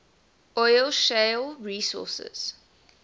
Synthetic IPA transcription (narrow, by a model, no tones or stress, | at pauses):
ʔɔɪlʃelɹiːsɔ̰ˑsə̰z̥